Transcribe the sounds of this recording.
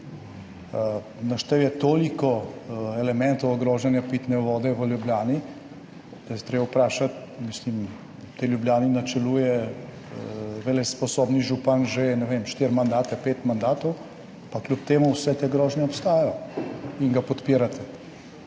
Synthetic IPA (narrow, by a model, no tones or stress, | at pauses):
naʃt̪ɛwjɛt̪oːlikɔɛlɛmɛnt̪ɔwɡɾɔːʒɛnjapit̪nɛʋɔːd̪ɛʋəljubljaːni | d̪jɛt̪ɾeːbawpɾaːʃat̪ | mislim | t̪eljubljaːninat͡ʃɛluːjɛ | ʋelɛspɔsobniʒupanʒɛnɛʋemʃt̪iːɾmand̪aːt̪ɛpeːt̪mand̪aːt̪ɔw | paklʲupt̪eːmuwsɛt̪eːɡɾɔːʒnɛɔpst̪aːjajɔiŋɡapɔt̪piːɾat̪ʰɛ